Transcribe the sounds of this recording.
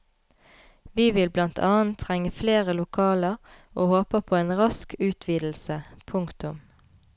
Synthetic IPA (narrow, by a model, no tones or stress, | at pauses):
ʋiːʋɪlblɑnt̪ʰɑːənt̪ʰʁɛŋəfleːʁəlʊkʰɑːləʁʔoːhoːpəpʰoːeːnʁɑskʰʉːt̪ʰʋiːd̪l̩səpʰʊŋkt̪ʊm